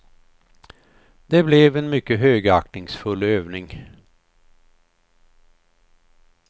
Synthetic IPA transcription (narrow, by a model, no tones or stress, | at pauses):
d̪̥ɛblɛvɛnmʏkːəɦøːɡəaknɪŋsfɵlːøːvnɪŋ